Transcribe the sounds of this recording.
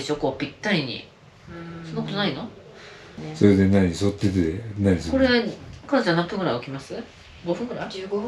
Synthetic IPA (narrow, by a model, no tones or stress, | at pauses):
e̞ɕo̞ko̞ːpʲit̪ːaɾʲiɲ̟ḭ | so̞nːokot̪oaino̞ | soɾed̪e̞naɲ̟isot̪ːet̪enaɲisoko̞ɾekanot͡ɕanãpːɯ̟ɡɯɾajokʲimasɨ | ɡo̞ɸɯ̟ŋɡɯɾa